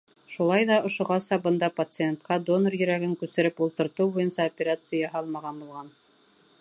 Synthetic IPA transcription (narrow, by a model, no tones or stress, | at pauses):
ʃulˠɑjðɑŏʃŏʁɑsɑbɤ̆nd̪ɑpɐt̪sɨent̪qɑd̪o̞norjɵ̆ɾæɡɘŋkʉsɘ̆ɾɘpulˠt̪ɤ̆ɾt̪uwbujɤnsɑopʲeɾat̪sɨjɑɦɑlˠmɑʁɑnbulˠʁɑn